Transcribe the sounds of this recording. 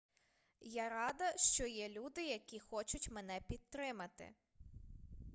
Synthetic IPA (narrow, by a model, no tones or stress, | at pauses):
jaɾɑd̪ɐʃt͡ʃɔjɛlʲud̪ɪjɐkʲixɔt͡ʃʊtʲmenɛpʲid̪̚t̪ɾɪmɐt̪ɪ̰